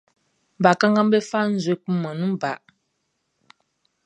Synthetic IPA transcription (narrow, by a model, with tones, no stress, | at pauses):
ba˨ka˦ŋɡa˦m˦bɛ˦fa˦n̩˦ze˦k͡pu˦mə˨nɨ˦ba˨ʔ